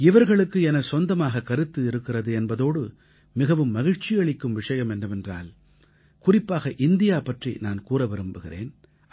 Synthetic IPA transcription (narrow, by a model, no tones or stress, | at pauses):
ɪʋɐɾɣɐɭɯkːɯɛnɐsɔnd̪ɐmaːɣɐkɐɾɯt̪ːɯɪɾɯkːɪrɐðɯɛnbɐðoːɽɯ | mɪɣɐʋɯmːɐɣɪɻt͡ʃɪjɐɭɪkːɯmʋɪʂɐjɐmɛndɯmɛndra̰ːl | kʊrɪpːaːɣɐʔɪnd̪ɪjaːpɐʈrḭnaːnkuːrɐʋɛɾɯmbɯɣɪrḛːn